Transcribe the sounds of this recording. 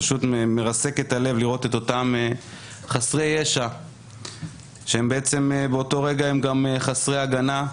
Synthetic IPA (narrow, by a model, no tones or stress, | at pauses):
ʃut̪meʁase̞ke̞tale̞vliʁo̞te̞t̪o̞tame | χasʁejeʃa | ʃeembeet͡se̞mebeo̞to̞ʁe̞ɡahemɡameχasʁejaɡana